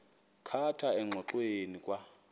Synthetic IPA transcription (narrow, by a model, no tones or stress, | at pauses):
kʰatʰaɛŋ͡ǁʱɔǃwenikʼwa